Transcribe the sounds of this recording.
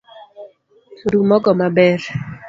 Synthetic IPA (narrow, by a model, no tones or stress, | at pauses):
ɾumɔɡɔmabɛr